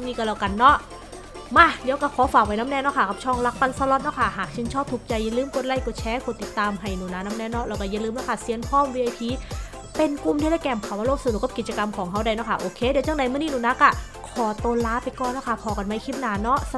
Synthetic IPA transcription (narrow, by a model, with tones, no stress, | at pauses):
niː˧˩ka˧˩lɔ˨˩ka˧˩nːɔ˦˥ʔ | ma˧˩di˨˦wkaː˧˩kʰɔː˨˦faː˨˩k̚wa˦˥jna˦˧˥mnɛː˧˩nɔ˦˥kʰa˧˩kʰa˧˩p̚t͡ɕʰɔː˧˩ŋla˦˧˥k̚pa˧nsa˧lɔ˧˥t̪̚nɔ˦˧˥kʰa˧˩ɦaː˨˩k̚t͡ɕʰi˧˥nt͡ɕʰɔː˥˩p̚t̪ʰuː˨˩k̚t͡ɕa˧jːa˧˨lɯː˧˥˩mko˧˨nla˧˩˨jkuː˧˩t͡ɕʰɛː˨˦˥ku˧˩t̪i˨˩t̪ːaː˧mɦa˧˨˩jnuː˨˦naː˧˥na˧˦˥mnɛː˧˥nɔ˦˧˥ɾa˧wka˧˩ja˧˩˨lɯː˧mnɔ˦˥˩kʰa˥˩si˧ənpʰɔː˧˥˨mwiː˧ʔa˧jpʰiː˧˥ | pe˧nku˧˩˨mdi˧ɾaː˧˥˩kɛː˧˩mkʰaː˨˩wa˧loː˧˥˩k̚sa˧˨n˨˩kːa˧˩ki˨˩t͡ɕa˧ka˧mkʰɔː˨˦ŋɦʰa˦˥˩wda˧˩jnɔ˦˧˥kʰa˧˩ʔoː˧kʰeː˧˥˨diː˨˦t͡ɕa˧˥˨ŋda˨˧jmɯ˥˩˨niː˥˨nuː˨˦na˧˦˥ka˧˩ | kʰɔː˨˩˦t̪oː˧laː˦˥pa˧jkɔː˨˩nːɔ˦˥˩kʰa˧˩kʰɔː˨˦ka˧˩nma˧˥˨kʰi˧˥˩p̚naː˨˥nɔ˦˥˧